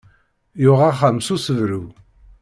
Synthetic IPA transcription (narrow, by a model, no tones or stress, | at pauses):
jʊʁaχəmsusəvɾu